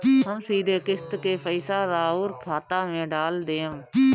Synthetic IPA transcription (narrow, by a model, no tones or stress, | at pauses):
ɦəmsiːd̪ʱeːkɪst̪keːpəɪsaːɾaːuːɾkʰaːt̪aːmẽːɖaːld̪eːm